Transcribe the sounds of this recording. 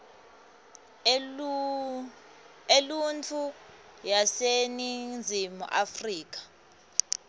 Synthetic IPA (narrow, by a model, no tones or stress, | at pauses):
elunt͡fʰu | jasenind͡zʱimṵʔafriːk̬ḁ